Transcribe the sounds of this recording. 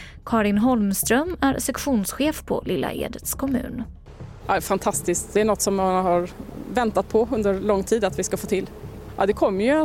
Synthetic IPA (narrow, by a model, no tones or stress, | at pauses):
kʰɑːɾɪnɦɔlmst̪ɾœmæɾsɛkɧuːnsɧeːfpʰɔ̰lɪlːa̰ʔḛːd̪ət̪skʰɔmʉ̟̰ːn | ɑɛfant̪ʰast̪ɪskt̪̚d̪ɛæɳɔt̪ːsɔmːanɦaɾvɛnt̪at̪̚pʰɔɵnd̪əɾlɔŋːt̪ʰiːd̪at̪vɪskafoːt̪ʰɪl | ʔɑ̰d̪ɛkʰɔmːəjɵ